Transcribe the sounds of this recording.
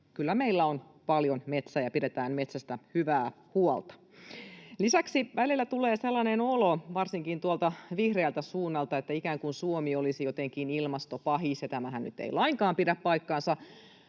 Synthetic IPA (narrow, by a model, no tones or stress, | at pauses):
kylːæmeilːæon | pɑljonmet̪sæjɑpiɾet̪æːnmet̪sæst̪æhyʋæː | huolt̪ɑ̥ | lisæksiʋælilːæt̪uleːselːɑnenoloʋɑrsiŋkint̪uolt̪ɑʋihreːlt̪æsuːnːɑlt̪ɑet̪ːæikæːŋkunsuomiolisijot̪eŋkinilmɑst̪opɑɦisjɑt̪æmæhænny̰t̪ːḛilɑiŋkɑːmpidæppɑikːɑːnsɑ